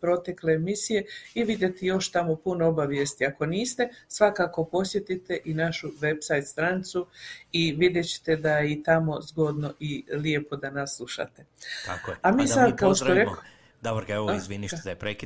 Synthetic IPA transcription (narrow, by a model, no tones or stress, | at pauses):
pɾo̞t̪e̞kle̞ːmisije̞iʋid̪ʲje̞t̪ijo̞ʃt̪amo̞punoobaʋje̞st̪iako̞niːst̪e̞sʋakako̞po̞sjet̪it̪e̞ʔinaʃuʋe̞bsajt̪st̪ɾanit̪suiʋid̪je̞t͡ɕe̥t̪e̞d̪ajeit̪amo̞zɡo̞d̪no̞ʔiljepo̞d̪anaslˠuʃa̰t̪e̞a̰amiːsad̪kaoʃoɾeo | d̪abɾkeʋizʋiniʃapɾeki